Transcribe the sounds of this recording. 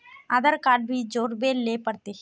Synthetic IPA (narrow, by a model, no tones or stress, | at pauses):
ãd̪əɾkaːɖ̚bʱid͡ʒoːɾbelepəɾt̪e